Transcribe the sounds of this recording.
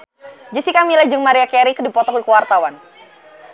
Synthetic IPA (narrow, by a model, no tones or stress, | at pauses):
d͡ʒisikamilad͡ʒɨŋmaɾiakɛɾikədipɔt̪ɔk̚dikəwart̪awan